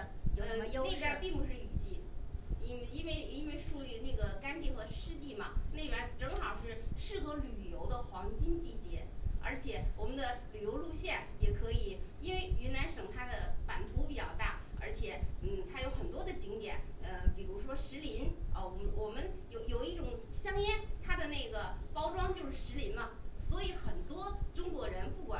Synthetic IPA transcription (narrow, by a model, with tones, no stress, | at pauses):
o˧˥ne˥˧˥pja˥˧pi˥˩ŋpu˧˥ʂɻ̩˥˩y˨˩t͡ɕi˥˩i˥˧i˥nwe˥˩ɪi˥nwe˥˧ɪʂu˧˩y˥˧na˥˩ɡə˩ka˥nt͡ɕi˥˩ŋxɤ˧˥ʂɻ̩˥t͡ɕi˥˩mɐ˩ne˥˩ɪpja˥˩ʈ͡ʂɤ˧˥ŋxɑ˨˩ʊʂɻ̩˥˩ʂɻ̩˥˩xɤ˧˥ly˨˩jo˧˥ʊd̪ə˧xwɑ˧˥ŋt͡ɕi˥nt͡ɕi˥˩t͡ɕjɛ˧˥ə̰˞˧˥t͡ɕʰjɛ˨˩wɔ˨˩mə˦nd̪ə˧ly˨˩jo˧˥ʊlu˥˧ɕjɛ˥˩njɛ˨˩kʰɤ˧˥i˨˩˦i˥nwe˥˩ɪy˧˥na˧˥nʂɤ˨˩ŋt̪ʰa˥d̪ə˨pa˨˩nt̪ʰu˧˥pi˨˩t͡ɕjɑ̰˥˧ʊt̪a̰˥˩ə̰˞˧˥t͡ɕʰjɛ˨˩˦n̩˥˩t̪ʰa˥jo˧˥ʊxə˨˩nt̪wɔ˥d̪ə˨t͡ɕi˧˥ŋt̪jɛ̰˨˩˦nə˧pi˨˩ɻu˧˥ʂwɔ˥ʂɻ̩˧˥li˧˥nə˧wɔ˨˩mwɔ˨˩mə˧˦njo˧˩ʊjo˨˩ʊi˥˩ʈ͡ʂʊ˨˩ŋɕjɑ˥ŋjɛ˥nt̪ʰa˥d̪ə˨ne˥˩ɪɡə˩pɑ˥ʊʈ͡ʂwɑ˥ŋt͡ɕjo˥˧ʊʂɻ̩˥˩ʂɻ̩˧˥li˧˥nlə˧swɔ˧˥i˧˥xə˨˩nt̪wɔ˥ʈ͡ʂʊ˥ŋkwɔ˧˥ɻə˧˥npu˥˩kwa̰˨˩